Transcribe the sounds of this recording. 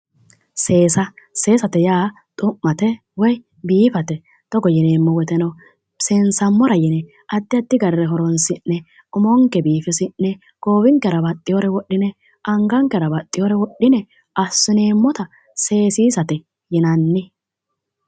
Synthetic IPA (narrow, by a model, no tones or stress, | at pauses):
se̞ːsɐse̞ːsɐt̪ɛjaː | t̪ʼʊmːɐt̪ɛ | wɔj | biːfɐt̪ɛ | t̪ɔɡɔjɪneːmːɔwɛt̪ɛnɐ | sensɐmːɔɾɐjɪnɛ | ɐd̪ːɪɐd̪ːɪɡɐɾɛɾɛɦɔɾɔnsɪnːɛ | ʊmɔŋkɛbiːfɪsɪnːɛ | ɡ̥oːbɪŋkːɛɾɐbɐt̪ʼːɪjɔɾɛwɔɗːɪnɛ | ɐŋɡɐŋkɛɾɐbɐt̪ʼːɪjɔɾɛwɔɗːɪnɛ | ʔɐsːʊneːmːɔt̪ɐ | se̞ːsiːsɐt̪ɛ | jɪnɐnːɪ